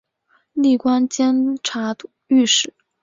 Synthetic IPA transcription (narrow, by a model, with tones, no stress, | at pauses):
li˥˩kwa˥nt͡ɕjɛ˥nʈ͡ʂʰa˧˥ | y˥˧ʂɻ̩˨˩˦